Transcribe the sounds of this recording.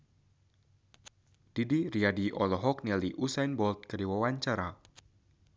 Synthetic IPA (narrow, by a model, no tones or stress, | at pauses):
d̥idiriadiʔɔlɔɦɔk̚nɛliʔusajnbɔlt̪̚kəriwawaɲt͡ʃaɾa